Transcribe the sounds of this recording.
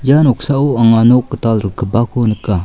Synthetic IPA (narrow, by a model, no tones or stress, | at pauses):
janɔk̚sauaŋanokːətalɾəkʰəbakʰonəkːa